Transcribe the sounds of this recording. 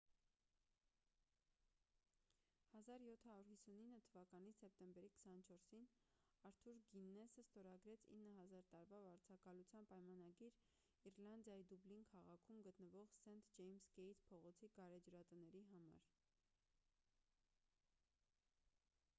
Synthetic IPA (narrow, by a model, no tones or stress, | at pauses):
hɑzɑɾjɔt̪ʰhɑɾuɾhisuninːət̪ʰəvɑkɑnisɛp̚t̪ɛmbɛɾikə̥sɑnət͡ʃʰɔɾsinɑɾt̪ʰuɾɡinːɛsəst̪ɔɾɑɡɾɛt͡sʰḭnːəɦɑzɑɾt̪ɑɾvɑvɑɾt͡sʰɑkɑlut͡sʰjɑnpɑjmɑnɑɡiɾ | iɾlɑnd̪jɑjid̪ublinkʰɑʁɑkʰumɡət̪nəvɔʁsɛnt̪d͡ʒɛjmsɡɛjt̪ʰpʰɔʁɔt͡sʰiɡɑɾɛd͡ʒɾɑt̪ənɛɾiɦɑmɑ̰ɾ